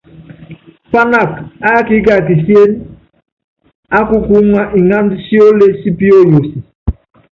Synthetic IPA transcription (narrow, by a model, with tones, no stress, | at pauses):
pa˦na˦˨ka˦ki˦ka˨ki˨si˦e˦n | a˦ku˦ku˦ŋa˦ʔi˨ŋa˦ndi˦si˦o˦le˦si˦pi˦o˦jo˨si˨